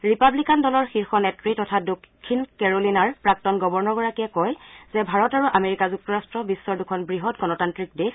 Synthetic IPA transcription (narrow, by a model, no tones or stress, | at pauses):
ɹipablikandɔlɔɹxiɹxɔnɛtɹitɔtʰadokʰːinkɛɹolinaɹpɹak̚tɔnɡɔbɔɹnɔɡɔɹakiɛkɔjzɛbʱaɹɔtaɹuʔameɹikazuk̚tɔɹastɹɔbisːɔɹdukʰɔnbɹiɦɔtɡɔnɔtantɹik̚de